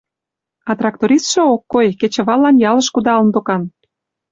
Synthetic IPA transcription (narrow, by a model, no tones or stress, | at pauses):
ɑt̪rɑk̚t̪oɾʲist̪ʃŏokːojket͡ɕə̆βɑlːɑnjɑlə̆ʃkud̪ɑlənd̪okɑn